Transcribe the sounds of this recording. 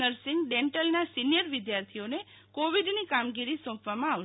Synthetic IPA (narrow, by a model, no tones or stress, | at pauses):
əɾsɪŋɡɖeɳʈəlnasinijəɾʋɪd̪jaɾt̪ʰione | koʋiɖnikamɡiɾisɔ̃pʋamãa